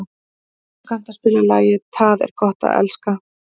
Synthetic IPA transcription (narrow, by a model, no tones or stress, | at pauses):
kan̥t̪aspɪlalaːjɪt̪ʰaðɛ̰ɾ̥kʰɔht̪a̰ðɛ̰lska